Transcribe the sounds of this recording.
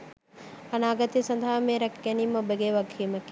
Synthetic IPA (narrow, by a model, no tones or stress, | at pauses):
ɐnaːɡɐt̪isɐnd̪ʱaɦameːɾɐkɡæniːməobəɡeːʋɐɡʱiməkːi